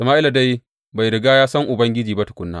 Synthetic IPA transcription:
sɐ˨maː˦ʔɪ˦la˨da˦j | ba˨jɾɪ˨ɡaː˦jaː˦sɐ˦ŋʔʊ˨bɐ˦ŋɡʲɪ˦d͡ʒiː˨ba˦tʊ˨kʷʼʊ˦nːa̰ː˦

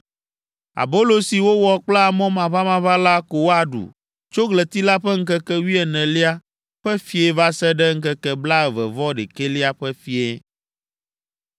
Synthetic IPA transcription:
a̰˨bo˦lo˨si˨wo˦wɔ˨k͡plɛ˦a˨mɔ̃˦mã˨va˦mã˨βa˦la˦ko˨wo˦a˨ɖṵ˨ | t͡ʃo˦ɡlɛ˨t̪i˦la˦ɸɛ˦ŋ̩˦kɛ˦kɛ˦wi˦ɛ˨nɛ̃˨li˦a˦ | ɸɛ˦fi˦e˨va˦sɛ˦ɖɛ˦ŋ̩˦kɛ˦kɛ˦bla˦ɛ˨vɛ̰˨vɔ˦ɖḛ˨ke˦li˦a˦ɸɛ˦fi˦e˦

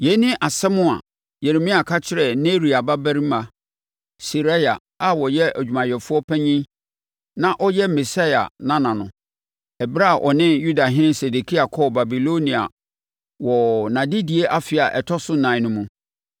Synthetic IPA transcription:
je˨˦nɪ̃˦ʔa˨sɛ˦mʊ̃˦a̰˨ | je˨ɾe˨mĩ˦a˨kʰa˦t͡ɕʰɪ˦ɾɛ˨ne˦ɾi˨a˨ba˦bæ˦ɾi˦ma˨ | si˨ɾa˦ja˨ | a˦wɔ˨jɛ˦ʔæ˨d͡ʑᶣu˨mã˨jɛ˨fʊ˦ɔ˦pʰɛ̃˦ɲĩ˦ | nã˦ʔɔ˦jɛ˦mi˨sa˦ja̰˨nã˦nã˨nʊ̃˨ | ɛ˨bɾa˦˨ʔɔ˨nɪ̃˦ju˦da˨ɦɪ̃˦nɪ̃˦nse˨de˨kʰi˦a˨kʰɔ˦˨ba˨bi˨lo˦nĩ˨a̰˨ | wɔ˨nã˨di˦di˨e˦ʔa˦fɪ˨a˨ʔɛ˨tʰɔ˦sʊ˦nã˨ɪ̃˨˦nʊ̃˦mũ˨

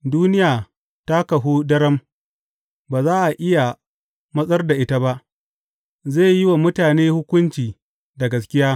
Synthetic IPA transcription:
duː˦nɪ˦jaː˨ | ta˦kɐ˨ɦuː˦dɐ˦ɾɐ˦m | baː˨zaː˦ʔa˨ʔɪ˦ja˨ | mɐ˦sʼɐ˦rda˨ʔɪ˦ta˦ba˦ʔ | zeː˦˨jɪ˦wa˨mʊ˦taː˨neː˦hʊ˦kʷʊ˦nt͡ʃiː˨ | dɐ˨ɡɐ˨skʲɪ˦jaː˦

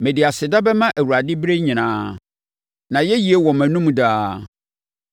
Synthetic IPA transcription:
mɛ̃˨dɪ˨a˨sɪ˨da˦bɛ˦mã˦ʔæ˨wu˨ɾa˨dɪ˦bɾe˦ɲĩ˨nãː˦ | nã˨jɛ˦ji˨e˦wɔ˨mæ̃˨nũ˦m˦daː˦

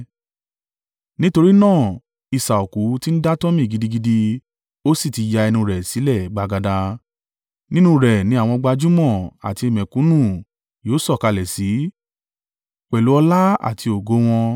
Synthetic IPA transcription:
nĩ˦to˧ɾi˦nãː˦˨ | i˧˨sa˨o˨ku˨˦ti˦n̩˦da˦tɔ˦mĩ˦˨ɡi˧di˧ɡi˧di˧ | o˦si˦˨ti˧ja˧ɛ˧nũ˧ɾɛ˨si˨˦lɛ˦˨ɡ͡ba˨˧ɡa˧da˧ | nĩ˦nũ˧˦ɾɛ˨nĩ˧˦a˦˨w̃ɔ̃˧ɡ͡ba˧d͡ʒu˦mɔ̃˦˨a̰˨ti˧i˧˨mɛ̃˨kũ˨˦nũ˦˨ | joː˨˦sɔ˦˨ka˧lɛ˨si˨˦ | k͡pɛ˨lu˨˦ɔ˧la˦a̰˨tʰi˧o˨ɡo˨˦w̃ɔ̃˧

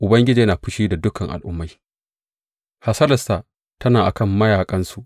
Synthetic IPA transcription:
ʔʊ˨bɐ˦ŋɡʲɪ˦d͡ʒiː˨jɐ˦naː˨ɸɪ˦ʃiː˦da˨dʊ˦kʰɐ˨ŋʔa̰˨lʔʊ˦mːa˦j | ha˦sɐ˦lɐ˨sta˨ | tɐ˦naː˨ʔa̰˨kɐ˦˨mːɐ˦jaː˨kʼɐ˦nsu˦ʔ

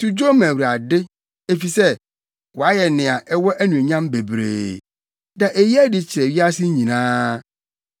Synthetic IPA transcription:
tu˨d͡ʑo˦mæ̃˨wɾa˨dɪ˦ | e˦fi˨sɛ˦ | wɔ˨a˦jɛ˨nɪ̃˨a˨ʔɛ˦wɔ˦ʔæ˦nũ˨ɲã˦mbe˨bɾḛː˨ | nã˨ʔe˨ji˦æ˦dɪ˨t͡ɕʰɪ˨ɾɛ˨ɥi˦a˦sɪ˦ɲĩ˨nãː˦

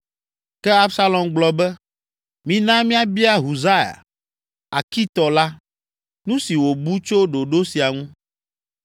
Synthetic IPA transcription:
kɛ˦a˦bsa˦lɔ̃˨mɡ͡blɔ˨bɛ˦ | mĩ˨nã˦mĩ˦a˦bi˦a˦ɦu˨za˦ja̰˨ | a˨ki˦t̪ɔ˨la˦ | nũ˦si˨wo˨bu˦t͡ʃo˦ɖo˨ɖo˦si˨a˨ŋũ˦

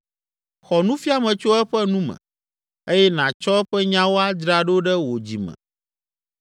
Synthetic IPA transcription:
xɔ˨nũ˦fi˦a˨mɛ̃˨t͡ʃo˦ɛ˦ɸɛ˦nũ˦mɛ̰̃˨ | e˦jɛ˦nã˨t͡ʃɔ˦ɛ˦ɸɛ˦ɲã˦wo˦a˦d͡ʒɾa˦ɖo˦ɖɛ˦wo˨d͡ʑḭ˨mɛ̰̃˨

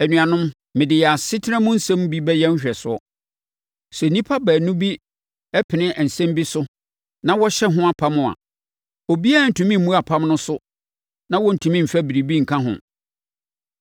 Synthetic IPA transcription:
æ˨nỹ˨ã˨nʊ̃˦m | mɪ̃˨dɪ˨jɛ˨a˨sɪ˦tʰɪ˦ɾɛ̃˦mʊ̃˦n̩˦sɛ̃˦m˦bi˦bɛ˦jɛ˦n̩˦ɕᶣɛ˨sʊ˦ɔ˦ | sɛ˨nĩ˦pʰa˦bæː˨nũ˦bi˦ | ɛ˦pʰɪ˨nɪ̃˦ʔn̩˨sɛ̃˦mbi˦sʊ˦ | nã˦wɔ˦ɕɛ˦ɦʊ̃˦a˨pʰã˦mʊ̃˨a̰˨ | o˨bi˦a˦˨n̩˨tʰũ˨mĩ˦m̩˨mũ˦a˨pʰã˦mnʊ̃˦sʊ˦ | nã˦wɔ˦n̩˨tʰu˨˦mĩ˦m̩˨fæ˦bi˨ɾi˨bi˦ŋ̩˨kʰã˦ɦʊ̰̃˨

